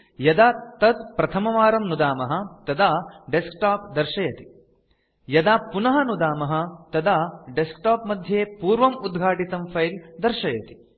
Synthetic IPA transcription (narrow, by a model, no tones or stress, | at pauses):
jɐd̪aːt̪ɐd̪pɾɐt̪ʰɐmɐʋaːɾɐmnud̪aːmɐɦɐ̆t̪ɐd̪aːɖeskʈaːpd̪ɐɾʂɐjɐt̪i̥ | jɐd̪aːpunɐɦɐnud̪aːmɐɦɐ̆t̪ɐd̪aːɖeskʈaːpmɐd̪ʱjeːpuːɾʋɐmud̪ɡʱaːʈit̪ɐmpʰɐjld̪ɐɾʃɐjɐt̪i̥